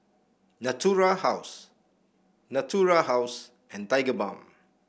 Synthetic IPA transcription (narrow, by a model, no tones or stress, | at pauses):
natʰuɹahaws | natʰuɹaɦaws | ɛ̃ntajɡəbã̰m